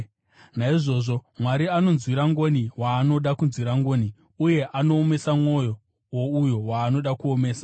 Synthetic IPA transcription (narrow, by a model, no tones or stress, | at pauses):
naiʐo̞ːʐo̞mwaɾiano̞nzwiɾaŋɡo̞niwaːno̞ɗakunzwiɾaŋɡo̞ːni | uje̞ʔanoːme̞samŋo̞jo | woujo̞waːno̞ɗakuome̞ːsḁ